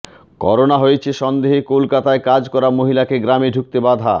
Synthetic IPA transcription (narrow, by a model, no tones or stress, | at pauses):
kɔ̰ɾonaɦojet͡ɕʰeʃɔnd̪eɦekolkat̪aekad͡ʑkɔɾamoɦilakeɡɾameɖʱuk̚t̪ebad̪ʱa̰